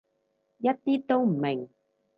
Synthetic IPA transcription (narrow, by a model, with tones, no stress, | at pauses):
jɐ˥t̚t̪iː˥t̪o˥wm̩˨˩mɪ˨˩ŋ